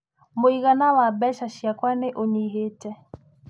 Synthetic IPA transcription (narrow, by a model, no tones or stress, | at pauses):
moiɣanawabɛʃaʃiakwaneʔoɲiɦetɛ